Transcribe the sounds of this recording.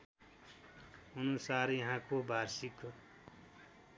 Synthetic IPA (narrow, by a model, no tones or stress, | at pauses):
unusaɾjʌɦãkobʱaɾsik